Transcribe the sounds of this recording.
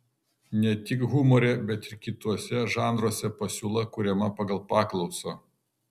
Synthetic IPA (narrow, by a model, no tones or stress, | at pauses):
nʲɛt̪ʲɪkɣʊmɔːɾʲɛbʲɛt̪ɪɾkʲɪt̪uɔsʲɛʒɑːnd̪ɾuɔsʲɛpɐsʲuːlˠɐkʊɾʲɛmɐpɐɡɐlˠpɑːklˠɒʊso